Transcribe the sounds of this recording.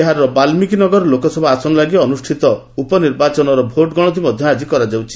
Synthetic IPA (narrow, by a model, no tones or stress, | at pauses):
eɦaɾɔbalmikinɔɡɔɾɔlokɔsɔbʱasɔnɔlaɡiɔnusʈʰit̪ɔ | upɔniɾbat͡ʃɔnɔɾɔbʱoʈɡɔɽ̃ɔt̪̬imɔd̪ʱjɔad͡ʒikɔɾad͡ʒawt͡ʃʰi̥